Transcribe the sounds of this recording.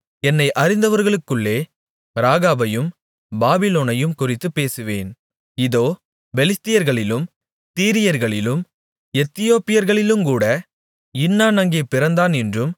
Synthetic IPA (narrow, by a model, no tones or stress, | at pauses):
ɛnːɐɪʔɐɾɪnd̪ɐʋɐɾɣɐɭɯkːɯɭːeː | ɾaːɣaːbɐjɯm | baːbɪloːnɐjɯmkʊrɪt̪ːɯpːeːsɯʋeːn | ɪðoː | bɛlɪst̪ːɪjɐɾɣɐɭɪlɯm | t̪iːɾɪjɐɾɣɐɭɪlɯm | ɛt̪ːɪjoːpːɪjɐɾɣɐɭɪlɯmkuːɽɐ | ɪnːaːnɐŋɡeːpɪɾɐnd̪aːnɛndrɯm